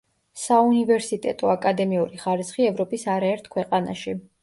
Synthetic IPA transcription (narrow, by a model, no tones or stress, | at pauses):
saunivɛɾsit̪ʼɛ̰t̪ʼɔakʼad̪ɛmiuɾiχaɾisχiɛvɾɔpʼisaɾaɛɾt̪ʰkʰwɛqʼana̰ʃi